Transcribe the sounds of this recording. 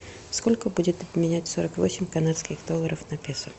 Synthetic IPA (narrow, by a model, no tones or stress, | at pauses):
sko̞lʲkəbudʲɪt̪ɐbmʲɪnʲætʲso̞ɾəkvo̞sʲɪmʲkɐnat̪skʲɪxd̪o̞lːˠəɾəfnɐpʲesʊ